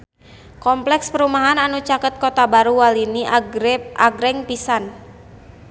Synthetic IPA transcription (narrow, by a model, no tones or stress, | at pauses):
kɔmplɛkspəɾumaɦananut͡ʃakət̪̚kot̪abaɾuwalini | ʔaɡɾɛŋpisan